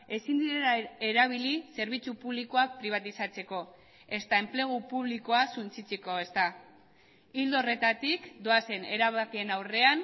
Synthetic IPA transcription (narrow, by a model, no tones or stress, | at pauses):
e̞sind̪iɾelaeɾaβ̞ilise̞ɾβ̞it͡supuβliko̞apɾiβ̞at̪isat͡se̞ko̞ | e̞st̪ae̞mple̞ɣ̞upuβ̞likoasunt͡sit͡seko̞e̞st̪a | ild̪ore̞t̪at̪ikd̪o̞ase̞ne̞ɾaβakie̞nawre̞an